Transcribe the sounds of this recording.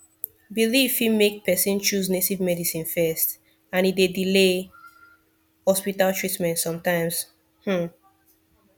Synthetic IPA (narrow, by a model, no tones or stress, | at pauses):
bilivfimek̚pʰɛsĩnt͡ʃuznetivmɛdisĩnfɛst | ãnidedile | hɔspitaltʰɹ̥itmɛ̃ntsɔ̃mtãɪ̃mz̥ | hm̩